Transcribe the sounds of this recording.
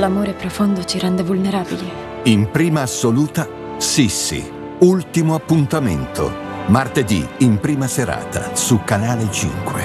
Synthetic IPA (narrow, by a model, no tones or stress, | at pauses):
lamoːɾepɾofond̪ot͡ʃiɾɛnd̪evulneɾaːbile | impɾiːmaːsːoluːt̪a | sisːḭ | ult̪imoapːunt̪ament̪ʰo̰ | mart̪ed̪iimpɾiːmaseɾa̰ːt̪a̰sukanaːlet͡ʃḭŋkwḛ